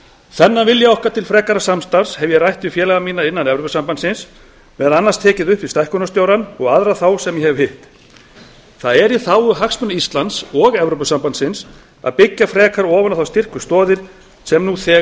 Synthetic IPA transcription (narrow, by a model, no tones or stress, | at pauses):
θɛnːavɪljaawhkat̪ʰɪlfɾɛːkaɾasamst̪aɾ̥shɛvjɛrajht̪vɪfjɛːlɛɣamiːnaɾɪnːanɛvɾowpʏsampansɪns | vɛːðalanːast̪ʰɛːcɪðʏhpvɪst̪ajhkʏnast̪jowɾanɔɣaðɾaθawsɛmjɛhɛvhɪht̪ | θaðɛɾiθawʏɦaksmʏnaist̪lant̪sɔɣɛvɾowpʏsampant̪sɪns | a̰ðpɪcːafɾɛːkaɾɔːvanaθawst̪ɪr̥kvʏst̪ɔːðɪɾ̥ | sɛmnuθɛː